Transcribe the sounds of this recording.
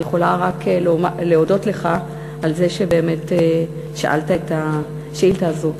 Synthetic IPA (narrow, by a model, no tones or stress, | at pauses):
jeχo̞laʁaklmaleo̞do̞tle̞χa | alze̞ʃe̞be̞ːme̞te | ʃaʔa̰ltaeta | ʃaʔiltaːzu